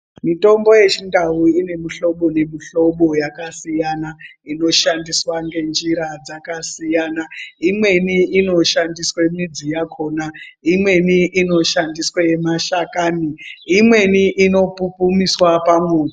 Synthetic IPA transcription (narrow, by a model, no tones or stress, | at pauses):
mito̞mbo̞je̞t͡ʃindawuine̞miɬo̞ɓone̞miɬo̞ɓo̞jakasijanaino̞ʃandiswaŋɡe̞nd͡ʒiɾad͡zakasijaːnaimwe̞niino̞ʃandiswemid͡zijakʰo̞ːnaimwe̞niʔino̞ʃandiswemaʃakaːniimwe̞niʔino̞pupumiswapamwuːna